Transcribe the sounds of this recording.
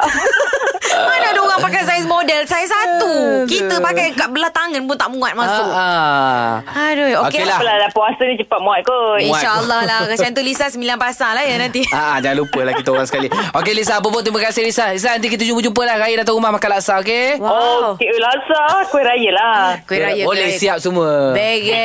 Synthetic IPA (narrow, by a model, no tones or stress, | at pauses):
manaduɣaŋpakajsajsmodɛlsajəsat̪ukit̪əpakajkaʔ̪̚bəlat̪aŋənpunt̪aʔmũat̪̚mãsʊa | adojookelaəlalapuasənit͡ʃəpat̪̚muat̪̚kojuaʃaəlˠːɔhlakasant̪ulisasəmbilanpasalahjənant̪iaʔad͡ʒaŋalupəlahkit̪əoɾaŋsə̥kaliokelis̬aːp̬əpʊnt̪ɾimakasehlisalis̬anant̪ik̬it̪əd͡ʒupəd͡ʒump̬əlahɾajədat̪aumahmakanlaʔsaok̬ewaowkelasakuweʔɾajəlakwiɾajəolesiap̚suməbeɡɛ